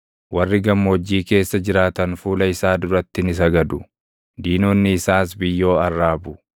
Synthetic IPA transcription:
wɐrːɪɡɐmːoːd͡ʒːiːke̞ːsːɐd͡ʒɪɾaːt̪ɐnfuːlɐɪsaːd̪ʊɾɐt̪ːɪnɪsɐɡɐd̪ʊ | d̪iːnoːnːɪːsaːsbɪjːo̞ːɐrːaːbʊ

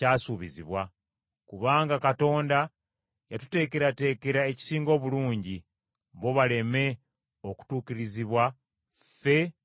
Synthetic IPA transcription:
aːsuβizḭβwa | kuβaːŋɡakato̞ːnda | jatu̥te̞ːke̞ɾate̞ke̞ɾae̞ci̥siːŋɡo̞ːβuluːɲɟi | mbo̞βale̞me̞ | o̞ku̥tuːkiɾiziβwa | fe̞

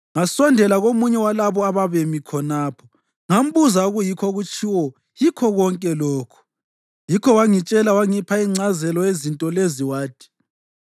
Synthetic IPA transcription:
ŋasɔndʱɛlaɣomuɲɛwalaβɔaβaβemikʰɔnaːpʰɔ | ŋam̩βuzauɣujikʰɔɣut͡ʃʼʰiwɔ | jikʰɔɣɔŋkʼɛlɔːkʰɔ̥ | jikʰɔwaŋit͡ʃʼɛlawaŋipʰaiŋ͡ǀazɛlɔezintʼɔleziwaːd̥ʰʱi̥

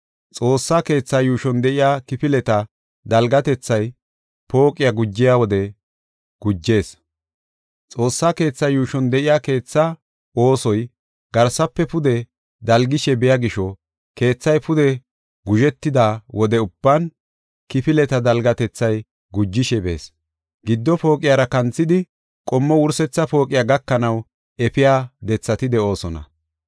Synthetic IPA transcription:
t͡sʼo̞ːsːake̞ːt͡sːajuːʃɔnd̪ɛʔɪjaːkɪpɪlɛt̪ɐ | d̪ɐlɡɐt̪ɛt͡sːɐj | po̞ːkʼːɪjɐɡʊd͡ʒːɪjawɔd̪ɛ | ɡ̥ʊd͡ʒːe̞ːs | t͡sʼo̞ːsːake̞ːt͡sːɐjuːʃɔnd̪ɛʔɪjaːke̞ːt͡sːɐ | o̞ːsɔj | ɡ̥ɐɾsɐpːɛpʊd̪ɛ | d̪ɐlɡɪʃɛbɛjaɡɪʃɔ | ke̞ːt͡sːɐjpʊd̪ɛ | ɡʊʒɛt̪ːɪd̪aːwʔɔd̪ɛʊb̥ːɐn | kɪpɪlɛt̪ɐd̪ɐlɡɐt̪ɛt͡sːɐj | ɡʊd͡ʒːɪʃɛbe̞̰ːs | ɡɪd̪ːɔpo̞ːkʼɪjaːɾɐkɐnt͡sːɪd̪ɪ | kʼɔmːɔwʊɾsɛt͡sːɐpo̞ːkʼɪjaːɡɐkːɐnɐw | ɛpɪjaːd̪ɛt͡sːɐt̪ɪd̪ɛo̞ːsɔnɐ̰

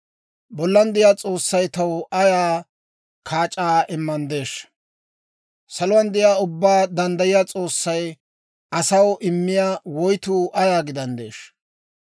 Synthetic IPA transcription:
bɔlːɐnd̪ɛjaːt͡sʼo̞ːsːɐjt̪ɐwɐjaː | kʰaːt͡ʃʼaːʔɪmːɐnd̪e̞ːʃ | sɐlʊwɐnd̪ɛjaːʊbːaːd̪ɐnd̪ɐjɪjaːt͡sʼo̞ːsːɐj | ɐsɐwʔɪmːɪjaːwɔjt̪uːʔɐjaːɡɪd̪ɐnd̪ḛːʃ

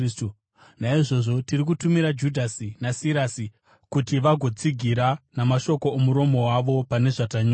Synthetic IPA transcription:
naiʐo̞ʐo̞tirik̬utumiɾad͡ʒudʱasinasiɾaːsi | kutiʋaɡʱo̞t͡siɡʱiɾanamaʃo̞ko̞omuɾo̞mo̞waʋo̞pane̞ʐataɲo

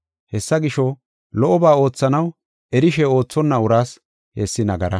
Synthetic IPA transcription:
hɛsːɐɡɪʃɔ | lɔʔɔbaːo̞ːt͡sːɐnɐw | ɛɾɪʃɛo̞ːt͡sːɔnːɐʊɾaːs | hɛsːɪnɐɡɐɾɐ

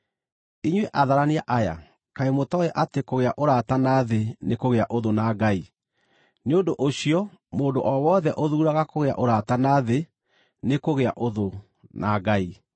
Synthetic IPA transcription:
iɲweʔaðaɾaneaʔaja̰ | kaemotɔɛʔatekoɣeaʔoɾatanaðenekoɣeaʔoðonaɡai | neondoʔoɕiɔmoːdoʔɔwɔːðɛʔoðuːɾaɣakoɣea̰ʔoɾatanaðe | nekoɣea̰ʔoðo | naɡai

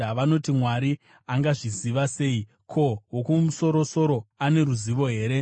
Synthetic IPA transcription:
ʋano̞timwaɾi | aŋɡaʐiziʋase̞ːi | kʰo̞wokumuso̞ɾo̞so̞ɾo̞ane̞ɾuziʋo̞ɦe̞ːɾe̞

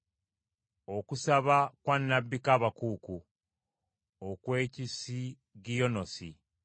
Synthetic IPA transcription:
o̞kusaβakwanːabːikaːβakuːku | okwe̞ːcisi | ɡijonosi

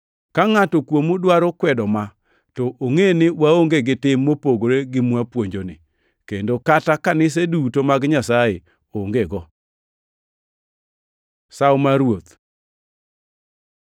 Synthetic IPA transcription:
kaŋatɔkwomudwaɾokwɛdɔma | tɔʔoŋenɪwaoŋɡeɡɪtɪmːopoɡoɾeɡɪmwapwoɲd͡ʒonɪ̰ | kendokatakanɪs̬edutomaɡɲasaje | oŋɡeɡɔ | sawmaɾwot̪

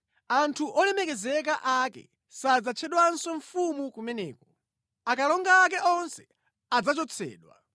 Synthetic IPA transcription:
antʰuʔɔlɛmɛkɛzɛkaʔakɛ̰ | sad͡zat͡ʃʰɛɗwansɔɱfumukumɛnɛ̰ːkɔ | akalɔŋɡaːk̬ɛʔɔnsɛ̥ | ad͡zat͡ʃɔt͡sʰɛ̰ːɗwa̰

